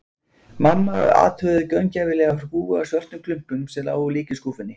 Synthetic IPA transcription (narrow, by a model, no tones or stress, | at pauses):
mamːa̰a̰ːt̪hœðʏcœɥncaːvɪlɛːɣaɾkuːɣʏasvœr̥t̪nʏmkʰlʏm̥pʏmsɛla̰ːwɣʏliːcɪskuːfɪnːɪ